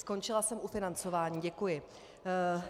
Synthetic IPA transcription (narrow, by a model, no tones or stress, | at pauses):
sko̞nt͡ʃɪlasɛmʔufɪnant͡so̞vaːɲiːɟɛkujɪ